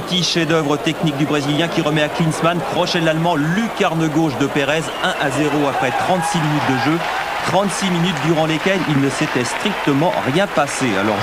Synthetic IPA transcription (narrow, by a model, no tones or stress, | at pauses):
ət̪iʃed̪œvʁət̪ɛknik̚d̪ybʁeziljɛ̃kʲiʁəmɛaklinsmankχɔʃɛlalmɑ̃lykaʁnəɡoʃd̪əpeʁɛz | ɛ̃ʔazeʁoapχɛt̪χɑ̃t̪siminyt̪̚d̪əʒø | t̪χɑ̃t̪siminyt̪̚d̪yʁɑ̃lekʲɛlilnəset̪ɛst̪χik̚t̪əmɑ̰̃ʁjɛ̃pasea̰lɔ̰ʁ